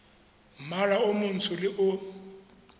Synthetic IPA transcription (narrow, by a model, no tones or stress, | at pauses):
m̩maraʊmʊn̩tʰʊlɪʔʊ